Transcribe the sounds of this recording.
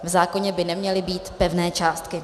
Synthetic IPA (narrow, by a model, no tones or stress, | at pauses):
vzaːko̞ɲɛbɪnɛmɲɛlɪbiːt̪pɛvnɛːt͡ʃaːst̪kɪ